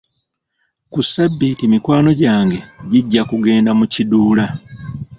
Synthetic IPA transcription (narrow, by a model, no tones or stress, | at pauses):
kusːabːitimikwaːno̞ɟaːŋɡe̞ɟiɟːakuɡe̞ːndamuciduːla